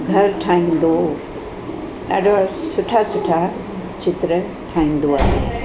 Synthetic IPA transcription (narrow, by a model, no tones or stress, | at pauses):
ɡʱɐɾʈʰaːĩn̆d̪o | ɗa̰ːɖʱosʊʈʰasʊʈʰa | t͡ɕɪt̪ɾə | ʈʰaːĩːnd̪oaːɦḛ